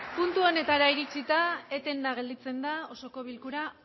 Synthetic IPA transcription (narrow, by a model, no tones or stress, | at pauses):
punt̪uo̞ne̞t̪aɾaiɾit͡sit̪aet̪e̞nd̪aɣ̞e̞ld̪it͡se̞nd̪ao̞so̞ko̞β̞ilkuɾa